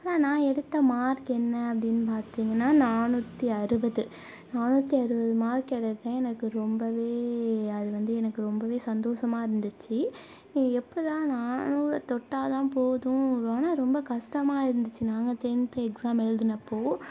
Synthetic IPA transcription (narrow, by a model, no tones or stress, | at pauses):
naːnãːɛɽɯt̪ːɐmaːɾkɛnːɐɐpːɐɽɪnːɯpaːɾt̪iːŋɡɐnːaːnaːnuːt̪ːiɐɾɯbɐðɯ | naːnuːt̪ːiɐɾɯbɐðɯmaːɾkɛɽɐt̪ːãːɛnɐkːɯɾɔmbɐʋeːɐðɯʋɐnd̪ɯɛnɐkːɯɾɔmbɐʋeːsɐnd̪oːʂɐmaːɪɾɯnd̪ɯt͡ʃːɯ | ɛpːɐɾãːnaːnuːɾɐt̪ɔʈːaːt̪ãːpoːðʊ̃ɾoːnãːɾɔmbɐkɐʂʈɐmaːɪɾɯnd̪ɯt͡ʃːinaːŋɡɐt̪ɛnt̪ɐɛksaːmɛɻɯðɯnɐpːoː